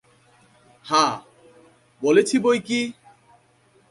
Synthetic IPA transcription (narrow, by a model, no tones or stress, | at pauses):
hã | bolet͡ɕʰibojki